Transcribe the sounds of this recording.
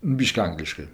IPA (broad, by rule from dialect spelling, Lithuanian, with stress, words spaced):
ˈbʲɪʃʲkʲɪ ˈɐŋɡlʲɪʃkɜ